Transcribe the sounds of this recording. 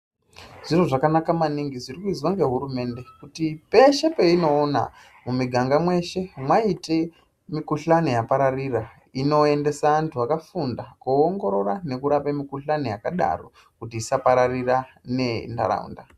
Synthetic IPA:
ʐ̥ir̤oʐakanakamaniŋɡiziɾikuiziwaŋɡe̞ɦuɾume̞nde̞kutipe̞ʃe̞pe̞ino̞ːna̰ | mumiɡʱaŋɡamwe̞ʃe̞mwaite̞ | mikuɬanijapaɾarira | ino̞e̞nde̞saantʰuakafundakuoŋɡo̞ɾo̞rane̞kuɾapemikuɬanojakaɗa̰ro̰ | kutiːsapaɾarira | ne̞nda̰ɾa̰ṵnda

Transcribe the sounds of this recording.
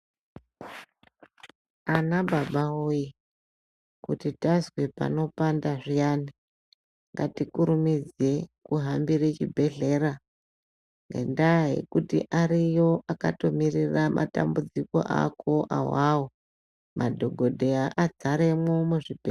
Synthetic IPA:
anabʱabaoji | kutitazwe̞pa̰no̞pandaʐijaːni | ŋɡatikuɾumid͡ze̞kuɦambiɾet͡ʃibʱe̞ɮe̞ɾa | ŋɡḛndaɦe̞̰kutḭʔarijo̞ʔakato̞miriramʔa̰ta̰mbud͡ziko̞̰ʔa̰kʰo̞ʔa̰wawo | madʱo̞ɡʱo̞dʱe̞aʔad͡zaɾe̞momuʐibʱe

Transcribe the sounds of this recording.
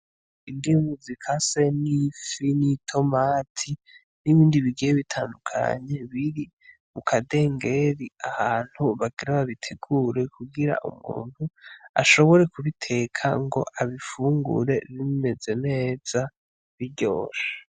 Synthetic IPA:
indimuzikʰase̞nifinitʰo̞maːtʰi | niβiːndiβiɡijeβitʰaːndukʰa̰ɲe̞βiɾi | mukʰade̞ːŋɡe̞ɾiahaːn̥huβaɡiɾaβaβitʰeɡ̥uɾe̞kuɡiɾa̰ʔṵmṵːn̥hua̰ʃo̞βo̞ɾe̞kuβitʰe̞kʰa̰ŋɡo̞̰ʔaβifuːŋɡṵɾe̞βime̞ze̞ne̞ːz̥a | βiɾɟo̞̰ːʃḁ

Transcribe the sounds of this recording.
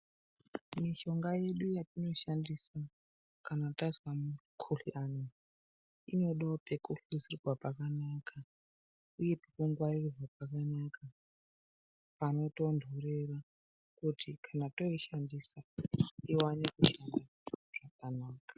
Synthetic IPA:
miʃo̞ŋɡaje̞ɗujatino̞ʃandisa | kanataswamukʰuɬiʔano | ino̞ɗaope̞kuɬisiriɡwapakanaka | uje̞pikuŋɡwairuʐap̚akanaka | pano̞to̞ndʱuɾera | kutikʰanato̞iʃandisaiwanekuʃanda | ʐ̥akanaːkḁ

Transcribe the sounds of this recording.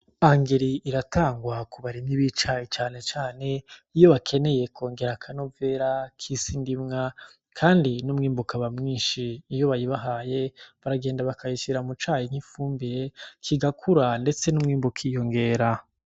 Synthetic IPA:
aŋɡeɾiiɾatʰaːŋɡwakuβaɾiniβit͡ʃait͡ʃaːne̞t͡ʃaːne̞ijo̞βakʰe̞ne̞je̞kʰo̞ːŋɡe̞ɾakʰano̞ve̞ɾakʰisindimŋa | kʰaːndinumŋiːmbukaβamŋiːnʃiːjo̞βajiβaɦaːje̞βaɾaɡe̞ːndaβakʰajiʃiɾamut͡ʃaːjiŋ̥ifuːmbiɾekʰiɡakʰuɾande̞t͡se̞numŋiːmbukʰijo̞ŋɡe̞ːɾa

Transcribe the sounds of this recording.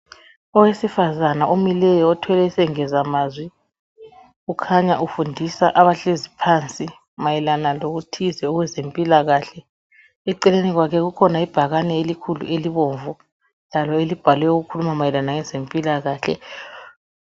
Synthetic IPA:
ɔwesifazanaʔomilɛjɔɔtʰwɛlɛisɛŋɛzamaːzwi | ukʰaɲaʔufundʱisaʔaβaɬezipʰant͡sʼi | majɛlanaloɣutʰizɛɔɣwɛzempʼilaɣaːɬɛ | ɛǀɛleniɣwakʰɛɣukʰɔnaib̥ʱaɣanɛelikʰulṵeliβɔːɱvu | lalɔelib̥ʱalwɛjoɣukʰulumamajɛlanaŋɛzempʼilaɣaːɬɛ̰

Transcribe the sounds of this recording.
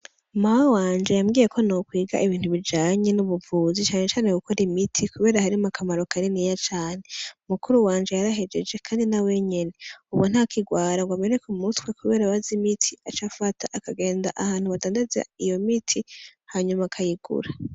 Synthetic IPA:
mawawaːnd͡ʒe̞jamɡiːje̞kʰonokwiːɡa̰ʔiβiːn̥huβid͡ʒaːɲe̞nuβuvuːzit͡ʃaːɲet͡ʃaːneɡukʰo̞ɾimitʰikuβe̞ːɾahaɾimakʰamaɾo̞kʰaɾiniːjat͡ʃaːne̞umukuɾuwaːnd͡ʒe̞jaɾaɦe̞d͡ʒe̞d͡ʒe̞kʰaːndinawe̞ɲe̞ne̞uβwon̥hakʰiɡwaːɾaɡwameɾekumutwekuβe̞ːɾaβazimitʰiat͡ʃafatʰaʔakaɡe̞ːnda̰ʔahaːn̥huβadaːndaza̰ijo̞mitʰihaɲumakʰajiɡ̥ṵɾa

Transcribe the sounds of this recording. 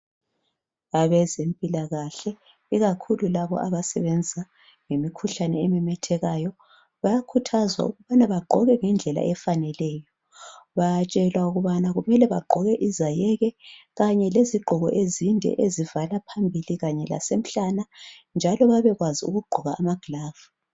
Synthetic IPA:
aβɛzempʼilaɣaɬɛ | iɣakʰululaβɔ̰ʔaβasɛ̰βɛnd͡zʱa | ŋemikʰuɬanɛemɛmɛtʰɛɣajɔ | βajakʰutʰazwa̰uɣuβanaβaɡ͡ǃʱɔɣɛŋɛnd͡ɮʱɛla̰ʔɛfanɛlɛːjɔ | βajt͡ʃʼɛlwauɣuβanaɣumɛlɛβaɡ͡ǃʱɔɣɛʔizajɛɣɛɣaɲɛleziɡ͡ǃʱɔɣɔ̰ʔezindʱɛ̰ʔezivalapʰambʱiliɣaɲɛla̰sem̩ɬanand͡ʒʱalɔβaβɛɣwaziṵɣuɡ͡ǃʱuɣaːmaɡ̥laːvu

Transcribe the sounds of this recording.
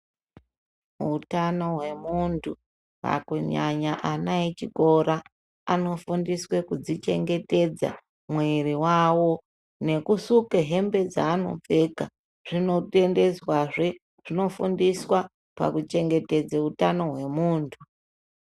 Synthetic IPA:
utano̞ɦwe̞muntʰu | a̰kuɲaɲaʔanait͡ʃiko̞ɾa | ano̞fundiswe̞kud͡zit͡ʃe̞̰ŋɡe̞te̞d͡za̰ | mweɾiwawo̞ | ne̞kusukeɦe̞mbe̞d͡za̰ːno̞̰p͡fe̞ka | ʐ̥ino̞te̞nde̞zwaʐe̞ | ʐ̥ino̞fundiswa | pa̰kut͡ʃe̞ŋɡe̞te̞d͡zeutano̞ɦwe̞muːntʰu

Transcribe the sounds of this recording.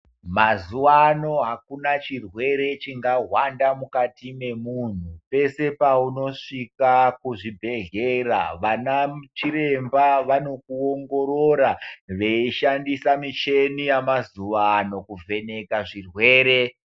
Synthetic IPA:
mazuwano̞ɦakunat͡ʃirwe̞ɾe̞t͡ʃiŋɡaɦwandamukatime̞mun̤upe̞se̞pauno̞ʂikakuʐibʱe̞ɮe̞ra̰ʋanat͡ʃiɾe̞mbaʋano̞kuoŋɡo̞ɾoɾaʋe̞iʃandisamit͡ʃe̞nijamazuʋano̞kuvʱe̞ne̞kaʐirwe̞ːɾe̞

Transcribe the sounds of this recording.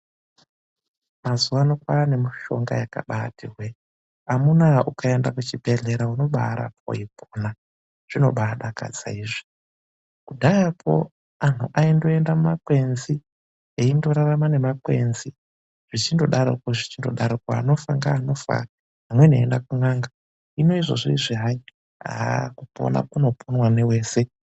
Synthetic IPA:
mazuwanokwaːne̞miʃo̞̰ŋɡa̰jaka̰ɓatʰirwe | amunaukae̞ndakut͡ʃibʱe̞ɮe̞ɾauno̞ɓa̰ɾa̰p̚ʰo̰ipʰona | ʐ̥ino̞̰ɓaɗaka̰d͡za̰iʐi̥ | kudʱajapʰo̞̰ | an̤uʔaindo̞e̞ndamumakwe̞nzi | eindo̞ɾaramane̞makwḛnzi | ʐ̥it͡ʃindo̞ɗaɾo̰koʐit͡ʃindo̞ɗaɾokwaano̞faŋɡaːno̞fa̰ | ɦamwe̞neḛndakuŋwaŋɡa | ino̞iʐo̞̰ʐiiʐiɦai | a̰kupo̰na̰kuno̞pʰonwanewe̞ːse̞

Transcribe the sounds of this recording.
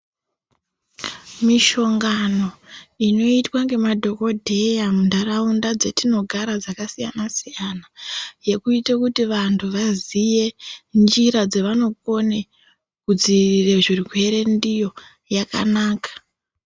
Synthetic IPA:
miʃo̞ŋɡano̞ino̞itwaŋɡe̞madʱo̞ko̞dʱe̞jamundaraundad͡ze̞tino̞ɡʱaɾad͡zakasija̰nasijanaje̞kuitakutiʋantʰuʋazije̞nd͡ʒiɾad͡zeʋano̞ko̞ne | kud͡ziirire̞ʐirwe̞ɾe̞ndijo̞ | jaka̰naːkḁ

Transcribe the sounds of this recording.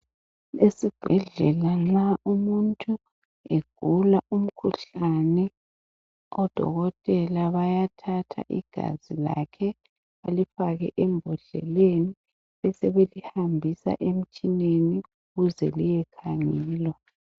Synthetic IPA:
esib̥ʱɛɮɛlanaʔumuntʰʼu | eɡ̥ʱulaʔum̩kʰuɬanɛ | ɔd̥ʱɔ̰ɣɔtʼɛlaβajatʰatʰa̰ʔḭɡ̥ʱa̰zila̰kʰɛ | βalifaɣɛʔɛmbʱɔɮɛ̰leni | ɛsɛβelihambʱisa̰ʔem̩t͡ʃʼineniuɣuzɛlijɛkʰaŋiːlwa

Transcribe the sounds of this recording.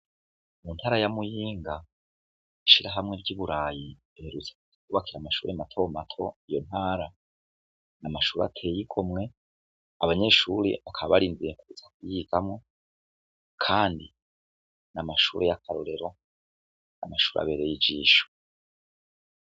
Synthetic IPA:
mun̥haːɾajamujiːŋɡa | iʃiɾaɦamŋe̞bɟiːβuɾaːjiβeːɾut͡sḁ | ikuβakiɾamaʃuːɾematʰomatʰo̞ijo̞n̥haːɾa | namaʃuːɾa̰tʰe̞jikʰomŋe̞ | aβaɲe̞ʃuːɾḛβakʰaβaβaɾiːndiɾekuuzakujiɡamŋo̞ | kʰaːndi | namaʃṵːɾejakʰaɾoɾe̞ɾo̞ | na̰maʃuːɾa̰βe̞ɾejid͡ʒiːʃo̥

